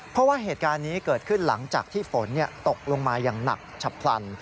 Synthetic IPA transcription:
pʰɔ˦˥waː˥˩ɦeː˨˩t̪̚kaː˧nːiː˦˥kɤː˨˩t̪̚kʰɯ˥˩nla̰˩˦ŋt͡ɕaː˨˩k̚t̪ʰiː˥˩fo˩˦nːi˥˩ɐt̪o˨˩k̚lo˧ŋmaː˧jaː˨˩ŋna̰˨˩k̚t͡ɕʰa˨˩pʰla̰˧n

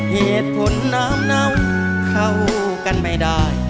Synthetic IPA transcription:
he˧˩˨t̪̚pʰo˨˦nːaː˦˥mna˧˥w | kʰa˧˩w | ka˧nma˨˧˩jda˧˩j

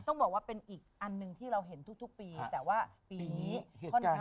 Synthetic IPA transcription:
t̪ɔ˥˩bɔː˨˩kwaː˥˩pe˧nʔiː˨˩k̚ʔa˧nːɯ˧ŋt̪ʰiː˥˩ɾa˧wɦe˩˦nt̪ʰu˦˥k̚t̪ʰu˦˥k̚piː˧t̪ɛː˨˩waː˥˩piː˧nniːi˦˥kʰɔ˥˩ka˥

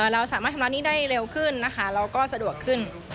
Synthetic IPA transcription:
ʔəː˨˩ɾa˧wsaː˨˩˦maː˥˩t̪ʰːla˧˥niː˥˩daː˥˩jɾe˧wkʰɯ˥˩nːa˦˥kʰa˦˥ɾa˧wkɔː˥˩sa˧du˨˩əkʰɯ˥˩n

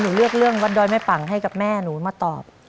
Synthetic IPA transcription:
nuː˩˦lɯ˥˩ək̚lɯ˥˩əŋwa˦˥dɔː˧jma˦˥˩pa˨˩˦ŋɦa˥˩jka˨˩p̚mɛː˥˩nuː˩˦maː˧˩t̪ɔː˨˩p̚

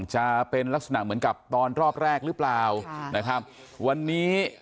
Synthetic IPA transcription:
ŋt͡ɕa˨˩pe˧nla˦˥k̚sa˧na˧˩mɯ˩˦ənka˨˩p̚t̪ɔː˧nɾɔː˥˩p̚ɾɛː˥˩k̚ɾɯ˦˥plaː˨˩wna˦˥kʰɾa˦˥p̚ | wa˧nːiː˦˥

